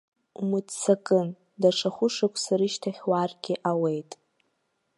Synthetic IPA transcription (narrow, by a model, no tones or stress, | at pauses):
mɨdsakʼɨn | daʂaχʷʊʂakʷʰʼsaɾiʃtʰaχʲwarɡʲɪʔawe̞jtʼ